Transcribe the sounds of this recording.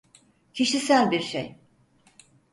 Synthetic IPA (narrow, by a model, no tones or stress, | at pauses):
cʰiʃisælʲbiɾʃḛj